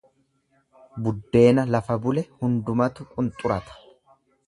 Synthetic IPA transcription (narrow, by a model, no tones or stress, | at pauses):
bʊd̪ːe̞ːnɐlɐfɐbʊlɛhʊnd̪ʊmɐt̪ʊkʼʊnt̪ʼʊɾɐt̪ɐ̥